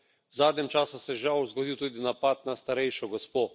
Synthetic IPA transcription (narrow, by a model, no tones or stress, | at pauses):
wzaːd̪nʲɛmt͡ʃaːsusɛʒawzɡɔd̪iwt̪uːd̪inapat̪nast̪aɾɛjʃɔɡɔspoː